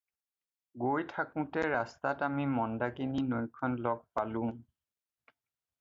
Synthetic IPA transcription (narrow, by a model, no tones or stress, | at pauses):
ɡojtʰakʊ̃tɛɹastatamimɔndakininojkʰɔnlɔɡ̚palʊ̃